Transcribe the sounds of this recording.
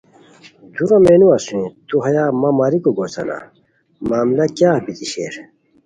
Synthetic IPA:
d̪uɾɐ̃meːnuɐsuĩt̪uɦɐjaːmɐmaːɾikoɡoːsɐ̰na̰ | maːmlɐkjaːɐpit̪iɕḛːɾ

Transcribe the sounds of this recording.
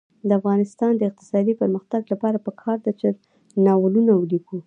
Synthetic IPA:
d̪əafɣɑnɪst̪ɑnd̪əɪq̚t̪ɪ̥sɑd̪ipəɾməxt̪aɡlapɑɾapəkʰɑɾd̪at͡ʃəɾ | nɑwəlunawuliku

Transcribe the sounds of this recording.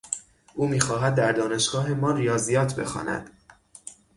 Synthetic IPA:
ʔuːmiːxɒːɦæd̪̚ːæɾd̪ɒːne̞ʃɡ̥ɒːɦe̞mɒːɾijɒːzijɒːt̪ʰbe̞̰xɒ̰ːnʔæ̰d̪̥

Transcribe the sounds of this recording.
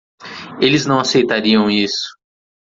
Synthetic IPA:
elɪznɐ̃w̃asejt̪aɾiɐ̃w̃isʊ̥

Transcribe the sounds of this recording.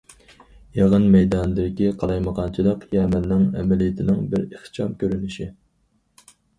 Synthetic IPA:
jɑʁənmɛjd̪ɑnd̪ɪkʲiqʰɑlˠɑjməʁɑnt͡ʃʰilˠəqjɛmɛnːɪŋɛ̰mɛlijit̪ʰɪnɪŋbɪɾeχt͡ʃʰɑmkʲøɾynɪʃi

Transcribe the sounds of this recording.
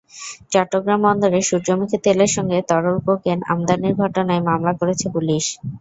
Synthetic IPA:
t͡ɕɔʈːoɡɾambɔnd̪oɾeʃuɾd͡ʑomikʰet̪eleɾʃɔŋɡet̪ɔɾolkokena̰md̪aniɾɡʱɔʈonaemamlakoɾet͡ɕʰepuliʃ

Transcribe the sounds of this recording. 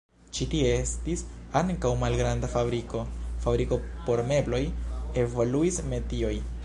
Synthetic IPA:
t͡ʃitieestisaŋkawmalɡɾandafabɾikofabɾiko̞po̞ɾme̞blo̞je̞voluisme̞tio̞j

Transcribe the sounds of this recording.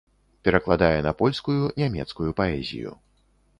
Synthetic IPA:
pʲɛɾɐklˠad̪ajɛnɐpɔlʲskujunʲɛmʲɛ̰t̪skujupaɛzʲḭjṵ

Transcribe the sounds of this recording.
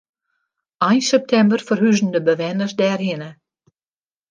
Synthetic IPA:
ajnsɛp̚t̪ʰɛmbərfɔɾhyzn̩d̪əbəvɛnəsd̪ɛːɾhɪnə

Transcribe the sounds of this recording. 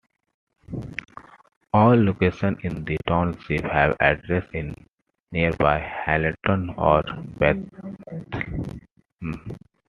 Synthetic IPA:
ɔːlːoːkeːʃə̃nɪ̃nd̪iʈãʊ̃nsiʋhæʋæ̰ɖɾesʈɪ̃nː | iəɾbaɪhæləʈə̃nɔːɾbɛt̪

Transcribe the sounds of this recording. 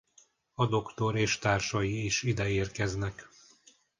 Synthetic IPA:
ɒd̪o̞kt̪o̞ɾeːʃt̪aːrʃɒjiːʃid̪ɛeːrkɛznɛk

